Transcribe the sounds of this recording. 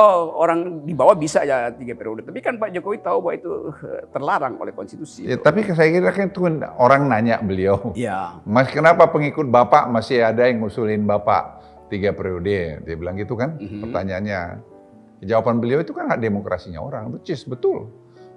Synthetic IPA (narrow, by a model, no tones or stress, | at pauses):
ooɾaŋdibawabisajat̪iɡapɾiodət̪apikanpaʔd͡ʒokowit̪aubaʔit̪ut̪ərlaɾaŋo̰lɛhkɔnst̪it̪usijat̪apikəs̬ajakiɾakant̪unoɾaŋnaɲaʔbəliawijamaskənapapəŋikʊt̪̚bapaʔmasɪadaŋusulɪnbapa̰ʔ | t̪iɡapɾiodediabəlaŋɡit̪ukanpərt̪aɲaanɲa̰ | kəd͡ʒawapanbəliawit̪ukanhaʔdemokɾa̰siɲa̰o̰ɾaŋbət͡ʃɪsbət̪ʊl